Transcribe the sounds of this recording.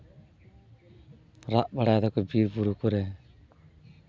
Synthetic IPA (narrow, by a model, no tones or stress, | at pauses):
ɾaʔbaɽad̪ɔkɔbiɾbuɾukɔɾɛ